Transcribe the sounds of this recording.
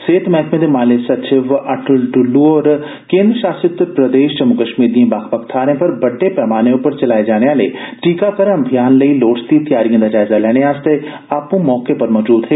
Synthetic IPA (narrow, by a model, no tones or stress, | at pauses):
seːt̪mɛɦt̪ʰmẽd̪emaːlesɐt͡ʃɪʋɐʈʊlʈʊlːuɔːɾ | kẽːnd̪ɾəʃaːsɪt̪pɾəd̪eːʃt͡ʃɐmʊkəʃmiːɾd̪ijẽbaːkpəkt̪ʰaːɾẽːpɐɾbɐɖːepɛːmaːneʊpəɾt͡ʃɐlaːed͡ʒaːɽ̃eaːlḛʈiːkakəɾɐmbʱijaːnləiloːʈst̪it̪jaːɾijãd̪aːd͡ʒaːɪzalɛːɽ̃eaːst̪e | aːpũːmɔːkepɐɾmɔːd͡ʒuːd̪ɦɛː